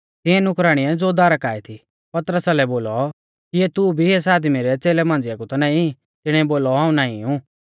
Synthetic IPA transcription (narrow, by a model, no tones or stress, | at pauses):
t̪ɪ̃ɛ̃nʊkɾaːɽ̃iɛd͡zoːd̪aːɾəkaːit̪ʰi | pɐt̪əɾəsalɛboːlɔ | kiɛt̪ubʱiɦes̬aːd̪miɾɛt͡seːlɛmãːnd͡zɪjakut̪ɐnãːĩ | t̪ɪɽ̃ɛ̃boːlɔɦãːũnãːḭ̃ũ